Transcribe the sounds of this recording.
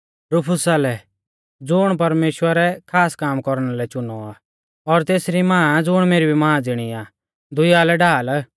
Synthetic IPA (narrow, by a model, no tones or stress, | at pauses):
ɾʊpʰʊsalɛ | d͡zʊɽ̃pɐɾmeːʃwəɾɛkʰaːskaːmkɔɾɽ̃alɛt͡ʃʊnɔaː | ɔɾt̪eːsɾimãːd͡zʊɽ̃meːɾibʱimãːãd͡zɪɽ̃iaː | d̪ʱʊjaːlɛɖʱaːl